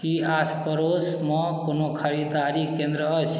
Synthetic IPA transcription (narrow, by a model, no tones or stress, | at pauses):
kiaspəɾos | məkonokʰəɾid̪aɾikẽnd̪ɾəət͡ʃʰ